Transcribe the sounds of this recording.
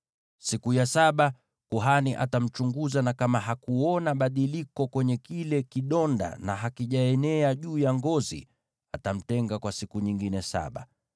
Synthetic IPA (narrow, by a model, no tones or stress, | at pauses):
sikujasaɓa | kuɦaniʔa̰tam̩t͡ʃuŋɡuzanakamaɦakuɔnaɓaɗilikɔkwɛɲɛkilɛkiɗɔnda̰na̰ɦakiʄaɛnɛaʄuːjaŋɡɔzḭ | atam̩tɛŋɡakwasikuɲiŋɡinɛsa̰ɓa̰